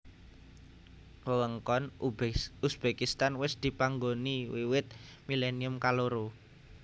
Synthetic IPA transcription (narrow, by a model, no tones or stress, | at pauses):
wəwəŋkɔn | usb̥ekist̪anwɪsd̪̥i̤paŋɡoniwiwɪt̪̚mileniʊmkaloɾo